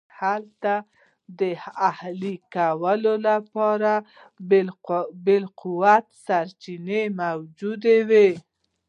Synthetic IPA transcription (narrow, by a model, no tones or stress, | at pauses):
halt̪a | d̪əahlikawəlolapɑɾa | bɪlquwat̪saɾt͡ʃinemawd͡ʒud̪ewe